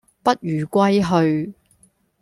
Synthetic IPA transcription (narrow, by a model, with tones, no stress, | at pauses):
pɐ˥t̚jyː˨˩kʷwɐ˥jɦɵ˧ɥ